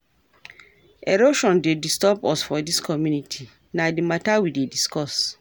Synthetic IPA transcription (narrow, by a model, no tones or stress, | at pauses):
eɾoʃɔ̃ndedistɔpɔsfɔdiskʰɔmjũnitʰi | nadimatawidediskɔs